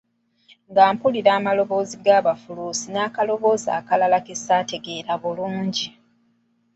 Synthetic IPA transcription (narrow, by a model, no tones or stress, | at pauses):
ŋɡaːmpuliɾaːmalo̞βo̞ːziɡaːβafuluːsinaːkalo̞βo̞ːza̰ːkalalake̞saːte̞ɡe̞ːɾaβuluːɲɟi